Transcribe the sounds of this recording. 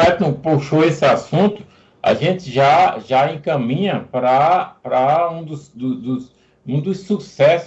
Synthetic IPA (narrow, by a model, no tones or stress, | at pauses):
ɛt̪nɐ̃w̃powʃoesɪasũt̪ʊ̥ | ɐ̰ʒẽt̪ɪʒaʒaẽkɐ̃mĩɲɐpɾɐpɾɐũd̪ʊsd̪ʊd̪ʊs | ũd̪ʊsːusɛs